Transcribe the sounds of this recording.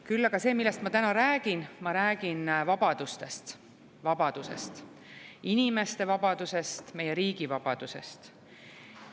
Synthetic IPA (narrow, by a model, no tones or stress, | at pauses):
kylːɑɡ̥ɑse̞ːmilːest̪mɑt̪ænɑɾæːɡ̥inmɑɾæːɡ̥invɑb̥ɑd̪̥ust̪e̞st̪ | vɑb̥ɑd̪̥use̞̰st̪ | inime̞st̪e̞vɑbɑd̪̥use̞st̪me̞je̞ɾiːɡ̥ivɑb̥ɑd̪̥use̞̰st̪